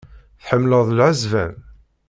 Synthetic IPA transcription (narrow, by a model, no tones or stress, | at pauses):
θħəmːləðˤlʕəzvæ̰n